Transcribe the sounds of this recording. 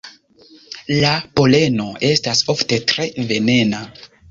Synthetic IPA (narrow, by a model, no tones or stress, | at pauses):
lapo̞le̞no̞e̞staso̞fte̞tɾe̞ve̞ne̞na